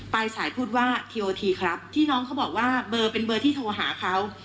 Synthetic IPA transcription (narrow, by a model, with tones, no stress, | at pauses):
pa˧jsaː˩˦jpʰuː˥˩t̪̚waː˥˩t̪ʰiː˧ʔoː˧t̪ʰiː˧kʰɾa˦˥p̚t̪ʰiː˥˩nɔː˦˥ŋkʰa˦˥wbɔː˨˩k̚waː˥˩bɤː˧pe˧nbɤː˧t̪ʰiː˥˩t̪ʰoː˧ɦa̰ː˩˦kʰa˦˥w